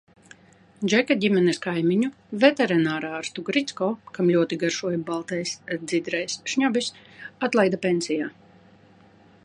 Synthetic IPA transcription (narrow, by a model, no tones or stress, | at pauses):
d͡ʒɛkaɟʲimɛnɛskajmiɲu | vɛt̪ɛɾinaːɾaːɾst̪uɡɾit̪skɔːkamlʲuɔt̪iɡaɾʃuɔjbalˠt̪ɛjsd̪zid̪ɾɛjsʃɲɔbis | at̪lˠajd̪apensijaː